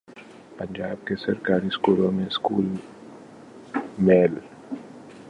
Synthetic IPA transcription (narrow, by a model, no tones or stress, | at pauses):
pɐ̃ɲd͡ʒaːb̚kesɐɾkaːɾiskuːlõmẽskuːl | meːl